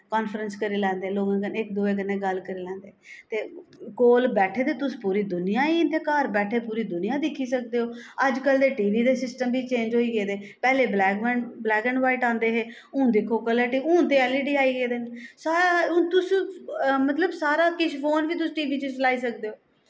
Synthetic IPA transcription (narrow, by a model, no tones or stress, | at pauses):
kaːnfɾənskəɾeːlɛ̃ːnd̪eːloːɡãːɡənɪk̚d̪uːeːɡənːẽːɡəlkəɾeːlɛ̃ːnd̪eːt̪eːkoːlbɛːʈʰeːt̪eːt̪ʊspuːɾiːd̪ʊnɪjãːĩːnt̪eːkaːɾbɛːʈʰeːpuːɾiːd̪ʊnɪjãːd̪ɪkʰːiːsək̚d̪eːɦoːəd͡ʒkəld̪eːʈiːʋiːd̪eːsɪsʈəmbʱiːt͡ʃẽːɲd͡ʒɦoːiːɡeːd̪eːpɛːleːblɛːkɛɳblɛːɡə̃ɳɖʋaːiʈãːnd̪eːɦeː | ʊ̃ːd̪ɪkʰːoːkələːʈiːʊ̃ːt̪eːɛːliːɖiːaːiːɡeːd̪eːnsaːɾaʊ̃t̪ʊs | mət̪ləbsaːɾaːkɪʃʰpʰoːnʋiːt̪̬ʊsʈiːʋiːt͡ʃət͡ʃlaːiːsəkd̪eːoː